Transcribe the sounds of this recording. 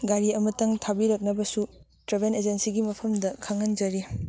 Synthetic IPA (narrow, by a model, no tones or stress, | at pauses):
ɡaɾiɐmɐtɐŋtʰabiɾɐk̚nɐbɐsu | tɾebened͡ʒensiɡimɐpʰɐmdɐkʰɐŋɐnd͡ʒɐɾi